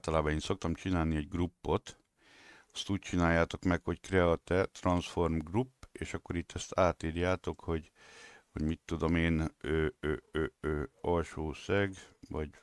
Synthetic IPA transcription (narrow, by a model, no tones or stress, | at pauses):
alt̪ɒlaːbɒneːnso̞k̚t̪ɒmt͡ʃinaːlniɛɟɡrupːo̞t̪ | ɒst̪uːc̚t͡ʃinaːjːaːt̪o̞kmɛkho̞ckrɛɒt̪ɛt̪rɒnsfo̞rmɡrupːeːʃɒkːo̞ɾit̪ːɛst̪aːt̪iːɾjaːt̪o̞kho̞ɟ | ho̞̰ɟmit̪ːud̪o̞meːnøːøøːɔlʃoːsɛɡvɒɟ